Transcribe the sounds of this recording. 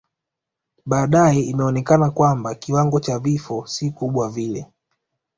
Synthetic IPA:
ɓaːɗaɛimɛɔnɛkanakwambakiwaŋɡɔt͡ʃavifɔsikuɓwavilɛ

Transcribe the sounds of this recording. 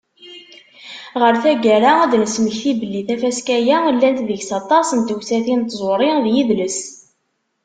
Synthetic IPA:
ʁəɾθæɡæɾaæd̪nəsməçθibəlːiθæfæskæjælːænt̪ðəʝsɑt̪ˤɑsənt̪uwsæθint̪zˤoɾˤɪðjiðləs

